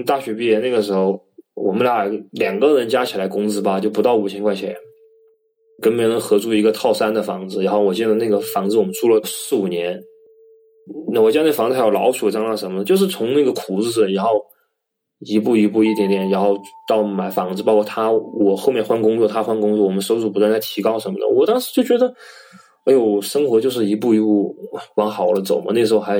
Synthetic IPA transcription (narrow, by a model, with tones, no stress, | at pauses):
t̪a˥˩ɕɥɛ˧˥pi˥˧˥jɛ˥˧na˥˩ɡə˩ʂɻ̩˧˥xo˥˧ʊ | wɔ̰˨˩mə˦nlja˨˩ljɑ˨˩ŋɡə˧ɻə˧˥nt͡ɕja˥t͡ɕʰi˨˩la˧˥ɪkʊ˥ŋt͡sɹ̩˥bɐ˨t͡ɕjo˥˩ʊpt̪ɑ˥˩ʊu˨˩t͡ɕʰjɛ˥nŋkwa˥˩ɪt͡ɕʰɛ̰˧˥ | kə˥npnə˧˥ŋxɤ˧˥ʈ͡ʂu˥˩i˧˥ɡə˧t̪ʰɑ˥˩ʊʂa˥nd̪ə˨fɑ˧˥ŋt͡sd͡zɹ̩˧ɻa˧˥nxo˥˩ʊwɔ˨˩t͡ɕjɛ˥˩nd̪ə˧na˥˩ɡə˩fɑ˧˥ŋt͡sɹ̩˥˧wɔ˨˩mə˦nʈ͡ʂʰu˥˩lə˨˩ʂɻ̩˥˩u˨˩njɛ˧˥n | na˥˩wɔ˨˩t͡ɕjna˥˩ə˩ɑ˧˥t͡s̩˧˥jɑ˥˩lɑ̰˧˥ʊt͡ɕʰu˨˩wɔ˨˩t͡ɕjɑ˥˧nlɑ˥˩ʂə˧˥mə˧t͡ɕjo˥˧ʊʂ̬ɻ̩˥˩t͡sʰʊ˧˥ŋna˥˩ɡə˩kʰu˨˩ɹ̩˥˩˨ɻa˧˥nxo˥˩ʊ | i˧˥pu˥˩i˧˥pu˥˧i˥˩t̪jɛ˧˥nt̪jɛ˨˩nɻa˧˥nxo˥˧ʊt̪ɑ˥˩ʊma˨˩ɪfɑ˧˥ŋt͡sɹ̩˧pɑ˥ʊkʰwɔ˥˩t̪ʰa˥wɔ˨˩xo˥˧ʊmjɛ˥˧nxwa˥nkʊ˥ŋt͡swɔ˥˧t̪ʰa˥xwa˥nkʊ˥ŋt͡swɔ˥˩wɔ˨˩mə˦nʂo˥ʊt͡su˨˩pu˧˥t̪wa˥˧nt͡sa˥˩ɪt̪ʰi˧˥kɑ˥ʊʂə˧˥nmə̰˧˩d̪ə̰˨wɔ˨˩t̪ɑ˥ŋʂɻ̩˧˥t͡ɕjo˥˩ʊt͡ɕɥɛ˧˥d̪ə˧˥ | jo˨˩ʊʂɤ˥ŋxwɔ˧˥t͡ɕjo˥˧ʊʂ̬ɻ̩˥˩i˧˥pu˥˩i˧˥pu˥˩wɑ˧˥ŋxɑ˨˩ʊlə˦t͡so˨˩ʊmə̰˦n˥˩əʂɻ̩˧˥xo˥˧xa˧˥